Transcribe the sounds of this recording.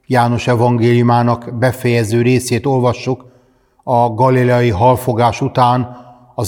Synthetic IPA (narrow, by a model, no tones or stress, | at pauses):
jaːno̞ʃɛvɒŋɡeːlijumaːnɒkbɛfɛjɛzøːɾeːseːt̪o̞lvɒʃːuk | ɒɡɒlilɛɒjiɦɒlfo̞ɡaːʃut̪aːn | ɒ